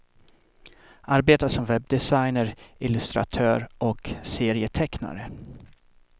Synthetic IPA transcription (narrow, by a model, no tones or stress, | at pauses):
ʔaɾbeːt̪aʂɔmvɛb̚d̪ɛsajnəɾɪlɵst̪ɾa̰t̪ʰœːɾʔɔkseːɾɪət̪ʰɛkna̰ɾə